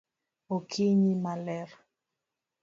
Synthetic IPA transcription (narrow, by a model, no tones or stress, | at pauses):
okʰiɲimalɛɾ